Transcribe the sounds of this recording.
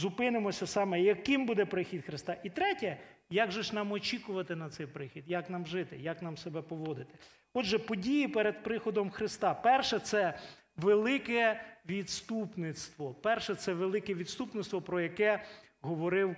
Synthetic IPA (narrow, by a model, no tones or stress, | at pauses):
zʊpɪnɪmɔsʲɐsɑmɛjɐkɪmbud̪ɛpɾɪxʲid̪xɾɪst̪ɑʔit̪ɾɛtʲɛ | jaɡʒɛʃnɑmɔt͡ʃikʊʋɐt̪ɪnɐt̪sɛjpɾɪxʲid̪jaknɑmʒɪt̪ɪjaknɑmsebɛpɔʋɔd̪ɪt̪ɪ̥ | ɔd̪ʒɛpɔdʲijipɛɾed̪̚pɾɪxɔd̪ɔmxɾɪst̪ɑpɛrʃɛt̪sɛ | ʋelˠɪkɛʋʲid̪st̪upnɪt̪st̪ʋɔpɛrʃɛt̪sɛʋelˠɪkɛʋʲid̪st̪upnɪtst̪ʋɔpɾɔjɐkɛ | ɦɔʋɔɾɪw